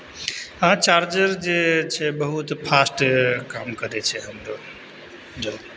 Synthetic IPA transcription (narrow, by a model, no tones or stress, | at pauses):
ɦãt͡ʃaɾd͡ʒəɾd͡ʒet͡ʃʰɛbəɦut̪pʰasʈkamkəɾɛt͡ʃʰɛɦəmɾo | d͡ʒəl